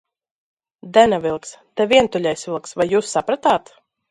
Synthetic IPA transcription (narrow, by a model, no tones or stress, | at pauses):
d̪ɛnavilˠkst̪ɛvʲiɛnt̪ulʲɛjsvʲilˠksvajːuːsːapɾat̪aːt̪